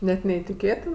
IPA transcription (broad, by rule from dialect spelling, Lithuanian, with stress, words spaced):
ˈnʲɛt nʲɛɪtʲɪˈkʲeːtʲɪn